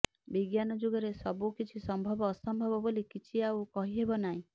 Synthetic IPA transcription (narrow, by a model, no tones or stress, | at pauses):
biɡjanɔd͡ʒuɡɔɾesɔbukit͡ʃʰisɔmbʱɔbɔːsɔmbʱɔbɔbolikit͡ʃʰiawkɔɦiɦebɔnaɦĩ